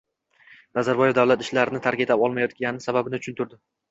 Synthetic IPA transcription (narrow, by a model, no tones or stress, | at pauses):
nazaɾbɒjevd̪avwlat̪ɪʃlaɾɪnɪt̪ʰaɾkʲet̪apɒlˠmajɒt̪̚ɡʲanɪsababɪnɪʊt͡ʃʰʊnt̪ʰʊɾd̪ɪ